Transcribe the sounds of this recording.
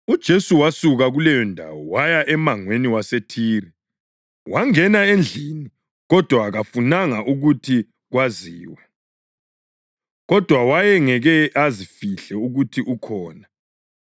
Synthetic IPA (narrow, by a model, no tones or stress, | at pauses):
ud̥ʒ̥ʱesuwasuɣaɣulɛjɔndʱa̰wɔwajaʔɛmaŋweniwasetʰiːri | wʔaŋɛnaend͡ɮʱini | ɣɔd̥ʱwaɣafunaŋaʔuɣutʰi | ɣwaziːwɛ | ɣɔd̥ʱwawajɛŋɛɣɛʔazifiɬɛuɣutʰiʔukʰɔːna